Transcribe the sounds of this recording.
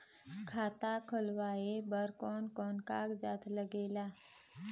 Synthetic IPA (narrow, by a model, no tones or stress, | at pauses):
kʰaːt̪akʰəlʋaːebəɾkɔːnkɔːnkaːkd͡ʒa̰ːt̪ʰləɡeːlaː